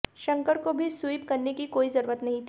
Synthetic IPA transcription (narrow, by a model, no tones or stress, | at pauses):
ʃɐ̃ŋkəɾkobʱisujpkɐɾnekikoːizɐɾuːɾət̪nɐɦĩt̪ʰː